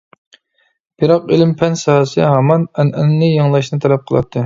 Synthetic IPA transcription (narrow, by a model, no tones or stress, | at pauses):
b̥iɾɑqelɪmpʰɛnsɑhɑsɨɦɑmɑnɛnɛnːɨjɑŋlˠɑʃnɨt̪ʰɛlɛp̚qʰəlˠɑ̰p̚t̪ʰːɨ